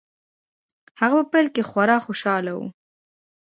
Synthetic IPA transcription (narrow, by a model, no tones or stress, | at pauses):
haɣapapelkexwaɾɑxoʃɑlawṵ